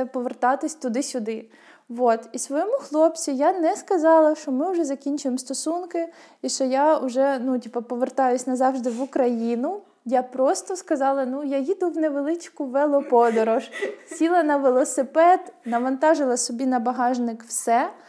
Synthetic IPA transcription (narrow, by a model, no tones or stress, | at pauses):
pɔʋert̪ɑt̪ɪsʲt̪ʊd̪ɪsʲʊd̪ɪ | ʋɔt̪isʋɔjɔmʊxlˠɔpt͡sʲijanɛskɐzɑlˠɐʃt͡ʃɔmɪʊʒɛzɐkʲinʲt͡ʃʊjemst̪ɔsunkɪ | iʃt͡ʃɔjaʊʒɛnutʲipɐpɔʋert̪ɑjʊsʲnɐzɑwʒd̪ɪʋʊkɾɐjinʊ | japɾɔst̪ɔskɐzɑlˠɐnujajid̪ʊwneʋelˠɪt͡ʃkʊʋɛlˠɔpɔd̪ɔɾɔʒsʲilˠɐnɐʋelˠɔsɪpɛd̪nɐʋɐnt̪ɑʒɪlˠɐsɔbʲinɐbɐɦɑʒnɪkw̥sɛ